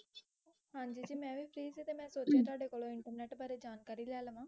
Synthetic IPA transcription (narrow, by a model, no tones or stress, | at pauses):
ɦãːɲd͡ʒiːd͡ʒiːmɛ̃ːʋiːpʰɾiːsiːt̪eːmɛ̃ːsoːt͡ʃjãːt̪ʊaːɖeːkoːlõːɪɳʈəɾnɛːʈbaːɾeːd͡ʒaːnkaːɾiːlɛːləʋãː